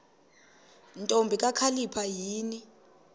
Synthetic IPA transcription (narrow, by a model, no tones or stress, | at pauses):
ntʼombʱikʼakʰalipʰajiːni